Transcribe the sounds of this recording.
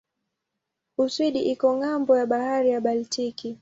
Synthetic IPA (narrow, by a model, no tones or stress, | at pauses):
uswiɗiʔikɔŋambɔjaɓahaɾijaɓaltiki